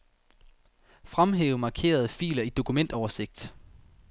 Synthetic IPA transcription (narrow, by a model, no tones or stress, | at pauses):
fʁamɦeːʊmɑ̈kʰe̝̰ːɐð̞ˠəfḭːlɐid̥o̝kʰumen̰d̥ɒʊɐse̝ɡ̥d̥